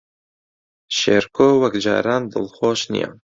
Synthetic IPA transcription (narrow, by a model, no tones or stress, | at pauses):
ʃḛɾkʰoːwɛkd͡ʒɑ̰ːɾaːnd̪ɨlxoːʃnḭja̰n